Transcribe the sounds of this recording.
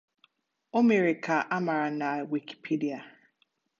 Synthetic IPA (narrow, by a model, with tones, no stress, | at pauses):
o˦me˨ɾɪ˨kʰa˨ʔa˦ma˨ɾa˨na˨wi˨ki̥˨pʰi˦di˨a˨